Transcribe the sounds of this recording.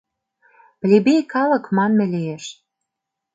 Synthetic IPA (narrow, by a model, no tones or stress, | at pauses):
plʲebejkɑlɤ̆kmɑnmɘ̆lijeʃ